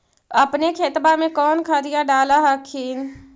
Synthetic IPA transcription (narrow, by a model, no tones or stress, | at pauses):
əpnekʰeːt̪bamẽkɔːnkʰad̪ɪjaɖaːlaɦakʰiːn